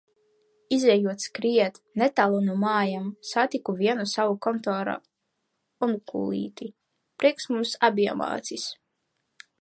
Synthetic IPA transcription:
izɛjuɔt̪skɾiɛt̪ | nɛt̪alˠunumaːjamsat̪ikuvʲiɛnusavukɔnt̪ɔːɾa̰ | unkṵːlˠḭːt̪i | pɾʔiɛksmumsabiɛ̰ma̰ːt̪sis

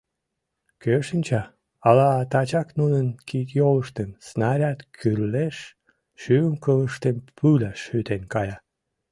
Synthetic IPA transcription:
køʃənʲt͡ɕɑ | ɑlɑt̪ɑt͡ɕɑknunənkit̪joləʃt̪ənsnɑɾʲɑt̪kʰyrleʃ | ʃyəŋkələʃt̪enpʰylɑʃyt̪enkɑjɑ

